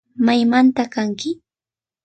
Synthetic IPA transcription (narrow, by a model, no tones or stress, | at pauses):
majmant̪akaŋkɪ